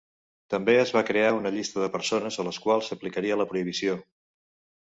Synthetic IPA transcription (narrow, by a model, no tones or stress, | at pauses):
t̪əmbeəzβakɾeaunəʎist̪əðəpəɾsonəzələskwalˠsəplikəɾiələpɾuiβ̞isio